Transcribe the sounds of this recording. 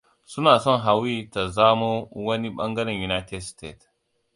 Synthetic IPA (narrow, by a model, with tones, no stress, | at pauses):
su˦na˨sɔ˦nɦa˨wi˦ta˨za˦mo˦wɐ˦ni˦ɓɐ̰˦ŋɡɐ˦na˨ju˨na˦te˦dste˦˨t